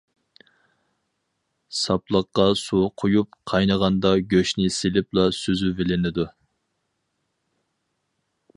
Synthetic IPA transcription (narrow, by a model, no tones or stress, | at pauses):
sɑplˠəqːɑsuqʰojup̚qʰɑjnəʁɑnd̪ɑɡʲøʃnɪselɪp̚lˠɑsøzyvɪlɪnɪd̪u